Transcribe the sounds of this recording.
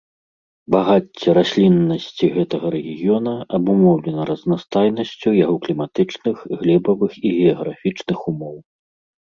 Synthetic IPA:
baɣat͡sʲːɛɾasʲlʲinːɐsʲt͡sʲiɣɛt̪ɐɣɐɾɛɣʲiɣʲijɔnɐɐbumɔwlʲɛnɐɾɐznast̪ajnɐsʲt͡sʲujaɣɔklʲimat̪ɨt͡ʂnɨxɣlʲɛbɐvɨxiɣʲɛɐɣɾafʲit͡ʂnɨxumɔw

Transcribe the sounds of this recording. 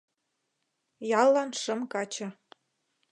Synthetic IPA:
jɑlˠːɑnʃɤ̆mkɑt͡ɕɤ̆

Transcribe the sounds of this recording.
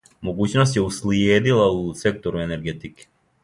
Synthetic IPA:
moɡut͡ʃnost̪jɛuslied̪ilˠausɛk̚t̪ɔɾuɛnɛɾɡɛt̪iki̥

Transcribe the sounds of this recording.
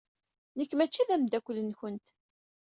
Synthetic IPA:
nəkːmæt͡ʃːiðæmd̪ækʷːəlːənçənt̪

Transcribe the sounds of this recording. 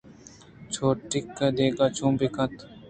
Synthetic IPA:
t͡ʃʰoːʈɪkːd̪eːɡaːt͡ʃʰũːbikɐt̪

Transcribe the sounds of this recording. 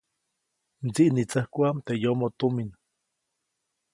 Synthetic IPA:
nt͡siʔnit͡sahkʷant̪ejomot̪umin

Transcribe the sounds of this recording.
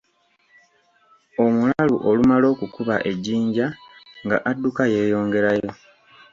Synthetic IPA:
o̞mulaluʔo̞lumalo̞ːkukuβa̰ʔe̞ɟːiːɲɟaŋɡa̰ʔadːukaje̞ːjo̞ːŋɡe̞ɾajo̞

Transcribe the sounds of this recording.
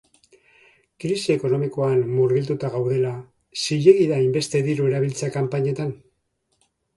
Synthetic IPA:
kɾisie̞ko̞no̞miko̞anːuɾɣilt̪ut̪aɣawð̞e̞la | siʎe̞ɣiðaimbe̞st̪e̞ðiɾue̞ɾaβ̞ilt͡sakampaɲe̞t̪an

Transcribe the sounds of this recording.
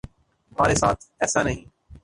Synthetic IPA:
ɦɐmaːɾesa̰ːt̪ʰɛːsanəɦĩː

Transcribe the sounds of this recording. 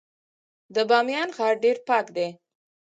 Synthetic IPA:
d̪əbɑmjɑnɣɑɾɖeɾpɑkd̪e

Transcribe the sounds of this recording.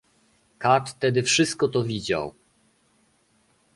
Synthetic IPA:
kat̪ːɛd̪ɘfʂɘst̪̚kɔt̪ɔvʲid͡ʑa̰w

